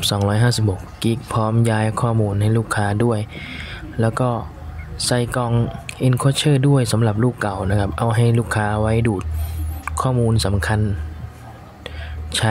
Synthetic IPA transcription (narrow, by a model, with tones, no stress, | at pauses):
p̚sɔː˩˦ŋɾɔː˦˥jɦaː˥˩si˨˩p̚ho˨˩kːi˦˩k̚pʰɔː˦˥mjaː˧˥jkʰɔː˥˩muː˧nɦa˥˩jluː˥˩kʰːaː˦˥du˥˩əj | lɛː˦˥wkɔː˥˩ | sa˧˩jkɔ˧ŋʔi˧nkʰu˥˩t͡ɕʰɤː˥˩du˥˩əjsa˨˩˦mɾa˨˩p̚luː˥˩kːa˨˩wna˦˥kʰa˦˥p̚ʔa˧wɦa˥˩jluː˥˩kʰːaː˦˥wa˦˥jduː˨˩t̪̚kʰɔː˥˩muː˧nsa˩˦mkʰa˧n | t͡ɕʰa˦˥